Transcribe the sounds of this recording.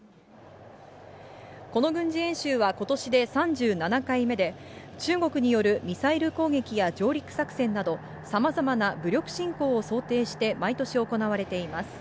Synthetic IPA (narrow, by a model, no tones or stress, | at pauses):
ko̞no̞ɡɯ̟̃ɲ̟d͡ʑiẽ̞ɕɨːβako̞t̪o̞ɕid̪e̞sãɲd͡ʑɨːnanakaime̞d̪e̞t͡ɕɨːɡo̞kɯ̟ɲ̟ijo̞ɾɯ̟mʲisaiɾɯ̟ko̞ːɡe̞kʲijad͡ʑo̞ːɾʲikɯ̥sakɯ̟̥sẽ̞nːad̪o̞ | samazamanabɯ̟ɾʲo̞kɯ̟̥ɕĩŋko̞ːso̞ːt̪e̞ːɕi̥t̪e̞mait̪o̞ɕio̞ko̞naβ̞aɾe̞t̪e̞imasɨ̥